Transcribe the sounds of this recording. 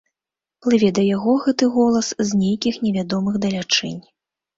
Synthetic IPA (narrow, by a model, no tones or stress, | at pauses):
plˠɨvʲɛd̪ɐjaɣɔɣɛt̪ɨɣɔlˠɐszʲnʲejkʲixnʲɛvʲad̪ɔmɨɣd̪ɐlʲat͡ʂɛ̰nʲ